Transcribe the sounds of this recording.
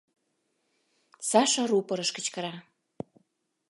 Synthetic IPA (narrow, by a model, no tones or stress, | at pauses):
sɑʃărupɤ̆ɾə̆ʃkə̆t͡ɕkə̆ɾɑ